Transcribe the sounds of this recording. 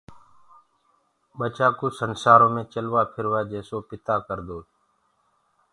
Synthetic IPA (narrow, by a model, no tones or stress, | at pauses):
ɓət͡ʃaːkuːsənsaːɾõːmẽːt͡ʃəlʋaːpʰɪɾʋaːd͡ʒeːsoːpɪt̪aːkəɾd̪oː